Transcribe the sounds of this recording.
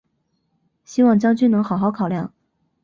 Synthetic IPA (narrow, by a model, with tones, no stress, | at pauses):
ɕi˥wɑ˥˩ŋt͡ɕjɑ˥ŋt͡ɕy˥nɤ˧˥ŋxɑ˨˧˥ʊxɑ˧˥ʊkʰɑ˨˩ʊljɑ̰˥˩ŋ